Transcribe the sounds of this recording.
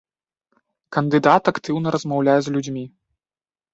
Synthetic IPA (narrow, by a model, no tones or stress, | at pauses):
kɐnd̪ɨd̪at̪akt̪ɨwnɐɾɐzmawlʲajɛzlʲud͡zʲmʲi